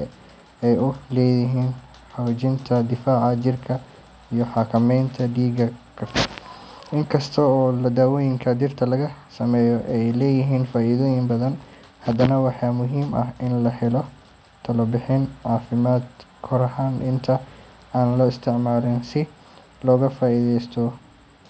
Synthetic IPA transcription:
ɛjʊlɛːjɪɦiːn | ħawd͡ʒɪnt̪ʰɐd̪ɪfaːʕɑd͡ʒɪrkʰɐ | ijɔħɑːkʰɐmɛjnt̪ʰɐɖiːɡɐkʰɐfɐrʔɪŋkʰɐst̪ʰɔɔːlɐd̪aːwɔːjɪŋkʰɐd͡ʒɪrt̪ʰɐlɐɣɐsɐmɛːjɔʔɛjlɛːjɪɦiːnfaːʔiːðɔːjɪŋbɐðɐn | hɐd̪ɐnɐwɑħɑːmʊɦiːmɐ̰ɦʔɪnlɐħɛlɔ | t̪ʰɐlɐbɪħɪnʕɑːfɪmaːd̪ | kʰɔɾɐɦaːnʔɪnt̪ʰɐ | aːnlɔːɪst̪ʰɪʕmaːlɪnsɪ | lɔːɣɐfaːʔiːðɛjst̪ʰɔ

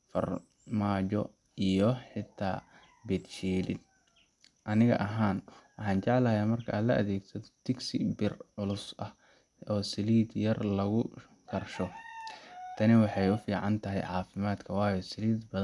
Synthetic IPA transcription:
fɐ̰r | maːt͡ʃɔ | ijɔħɪt̪ʰa̰ː | bɛd̪ʃiːlɪ̰d̪̚ | ʔɐnɪɣɐ̰ʔɐɦaːnwɑħɑ̃ːnt͡ʃɛʕlɐːjaːmɐrkʰɐʔːlɐɐ̰ðɛːɡsɐðɔ̥t̪ʰɪɡsɪ̰bɪrʕʊlʊsʔɐh | ɔːsɪliːd̪jɐrlɐɣʊ | kʰɐrʃɔ | t̪ʰɐnɪwɑħɑjʊfiːʕɑnt̪ʰɐɦɛ̰jʕɑːfɪmaːd̪kʰɐwɑːjɔsɪliːd̪bɐ

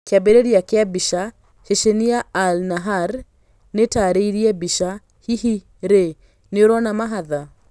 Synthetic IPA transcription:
keabeɾeɾjakeabiʃa | ʃeʃeniaːlnaɦaɾ | netaːɾeiɾiɛbiʃa | hiɦi | ɾe | neoɾɔnamaɦaða

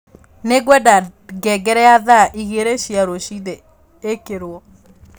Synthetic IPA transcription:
neɡwɛdaɡɛɡɛɾɛaðaʔiɣeɾeʃiaɾoʃiðe | ekeɾwɔ

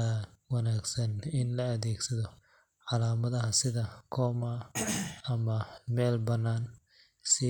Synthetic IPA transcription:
awɐnaːɡsɐnɪnlɐɐðɛːɡsɐðɔ | ʕɑlaːmɐðɐɦɐsɪðɐkʰɔːma | ɐmɐmɛːlbɐnːaːn | sɪ

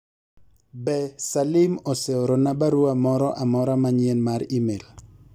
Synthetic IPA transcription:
bɛsalɪmosɛoɾonabaɾoamɔɾɔʔamɔɾamaɲenmaɾimel

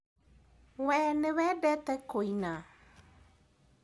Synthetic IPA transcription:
wɛːnewɛdɛtɛkoina

